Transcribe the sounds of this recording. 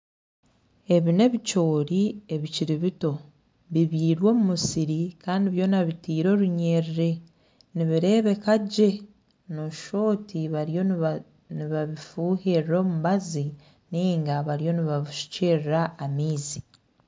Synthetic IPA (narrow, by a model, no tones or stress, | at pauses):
e̞βine̞βico̞ːɾie̞βiciɾiβito̞ | βiβiːɾwo̞ːmumusiɾikaːndiβjo̞ːnaβitiːɾo̞ɾuɲe̞ɾiɾe̞ | niβiɾe̞ːβe̞kaɟe̞ | noʃo̞ːtiβaɾjo̞ | niβaβifuːheɾiɾo̞ːmuβazi | niːŋɡaβaɾijo̞niβaβiʃu̥ceɾiɾaːmiːzi